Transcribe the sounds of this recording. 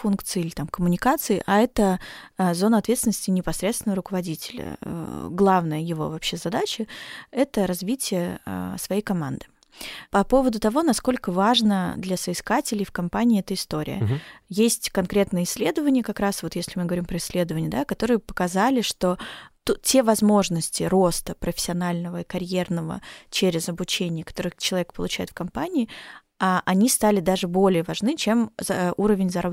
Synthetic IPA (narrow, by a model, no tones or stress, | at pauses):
funkt̪sɨɪlʲɪt̪amkəmʊnʲɪkat̪sɨɪʔɐɛt̪əzo̞nəɐt̪vʲet̪st̪ʲɪnəsʲtʲɪnʲɪpɐsɾʲet̪st̪vɪnvəɾʊkəvɐdʲitʲɪlʲə̰ɡlˠavnəjəjɪvo̞̰vɐpɕːe̞zɐd̪at͡ɕəɛt̪əɾɐzvʲitʲɪjə̰svɐjejkɐma̰nd̪ɨ | pɐpo̞vəd̪ʊt̪ɐvo̞nɐsko̞lʲkəvaʐnəd̪lʲɐsəɪskatʲɪlʲɪjfkɐmpanʲɪːɛt̪əɪst̪o̞ɾʲɪ̰jə̰jesʲtʲkɐnkɾʲe̞t̪nɨjəɪsʲːlʲe̞d̪əvənʲɪjəkɐkɾasvo̞t̪jesʲlʲɪmɨɡəvɐɾʲimpɾəɪsʲːlʲe̞d̪əvənʲɪjəd̪akɐt̪o̞ɾɨjəpə̥kɐzalʲɪʂt̪o̞t̪utʲe̞vɐzmo̞ʐnəsʲtʲɪɾo̞st̪əpɾəfʲɪ̥sʲɪɐnalʲnəvəikɐɾʲje̞rnəvə̰t͡ɕeɾʲɪzɐbʊt͡ɕenʲɪjəkɐt̪o̞ɾɨt͡ɕɪlˠɐvʲek̚pəlˠʊt͡ɕæjɪt̪fkɐmpanʲɪː | aʔɐnʲist̪alʲɪd̪aʐɨbo̞lʲɪjəvɐʐnɨt͡ɕe̞muɾəvʲɪnʲzɐɾab